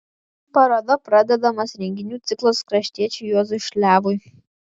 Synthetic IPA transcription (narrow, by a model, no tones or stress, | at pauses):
pɐɾoːd̪ɐpɾɑd̪ʲɛd̪ɐmɐsɾʲɛŋʲɡʲɪnʲuːt̪sʲɪklˠɐskɾɐʃʲt̪ʲiɛt͡ʃʲɛjoːzʊʃʲlʲæːʋʊj